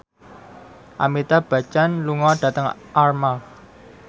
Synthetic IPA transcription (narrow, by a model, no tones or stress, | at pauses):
ʔa̰mit̪ab̥ä̤t͡ʃanluŋɔɖ̥ä̤t̪əŋʔarmal